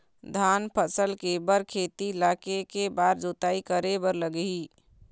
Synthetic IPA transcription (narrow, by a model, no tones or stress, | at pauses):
d̪ʱanpʰəsəlkebəɾkʰet̪ilakekebaɾd͡ʒot̪aikəɾebəɾləɡi